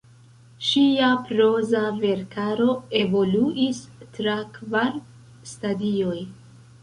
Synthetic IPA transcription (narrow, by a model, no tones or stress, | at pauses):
ʃiapɾo̞zave̞ɾkaɾo̞e̞vo̞luʔistɾakvaɾ | stadio̞j